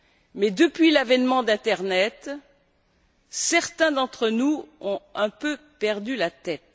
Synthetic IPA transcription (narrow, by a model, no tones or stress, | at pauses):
mɛd̪əpɥilavɛnmɑ̃d̪ɛ̃t̪ɛʁnɛt̪ | sɛʁt̪ɛ̃d̪ɑ̃t̪χənuɔ̃ɛ̃pøpɛʁd̪ylat̪ɛt̪